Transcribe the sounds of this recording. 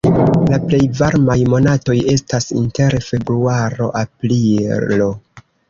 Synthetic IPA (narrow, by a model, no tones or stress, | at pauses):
laple̞jvaɾmajmo̞nato̞je̞stasḭnte̞ɾfe̞bɾuaɾo̞̰ʔaplilo̞